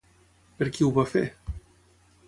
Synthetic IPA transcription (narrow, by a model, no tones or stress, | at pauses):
peɾkiuβafe